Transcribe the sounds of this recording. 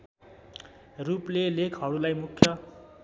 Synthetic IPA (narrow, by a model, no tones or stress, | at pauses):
ruplelekʰʌɽulajmukʰjʌ